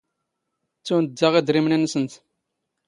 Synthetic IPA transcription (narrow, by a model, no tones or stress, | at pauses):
t͡sːunəd̪ːaʁid̪ɾimnænːsənt̪